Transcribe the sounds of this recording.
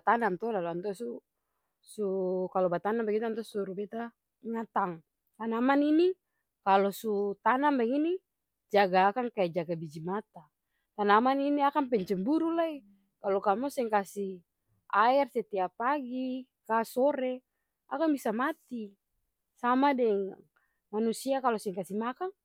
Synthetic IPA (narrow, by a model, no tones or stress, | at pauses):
t̪anamt̪ɔlaluant̪ɔsu | sukalɔbat̪anambaɡit̪ant̪ɔsuɾubɛt̪a | ŋat̪aŋ | t̪anamanini | kalɔsut̪anambaŋini | d͡ʒaɡaːkaŋkaɛd͡ʒaɡabid͡ʒimat̪a | t̪anamaniniakaŋpɛɲt͡ʃɛŋbuɾulai | kalɔkamɔsɛŋkasi | aɛrsɛt̪ɛapaɡi | kasɔɾɛ | a̰kaŋbisamat̪i | samadɛŋ | manusiakalosɛŋkasimakaŋ